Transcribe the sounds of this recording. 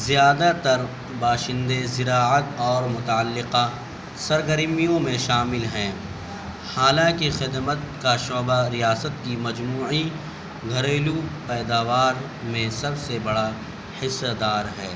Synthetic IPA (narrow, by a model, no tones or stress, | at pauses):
zijaːd̪at̪ɐɾ | baːʃɪ̃nd̪ezɪɾaːət̪ɔːɾmʊt̪aəlːɪqa | sɐɾɡəɾmijõmẽʃaːmɪlɦɛ̃ː | haːlãkixɪd̪mət̪kaʃɔːbaɾijaːsət̪kimɐd͡ʒmuːi | ɡʱɐɾeːlupɛːd̪aːʋaːɾ | mẽsɐbsebɐɽa | hɪsːəd̪aːɾɦɛː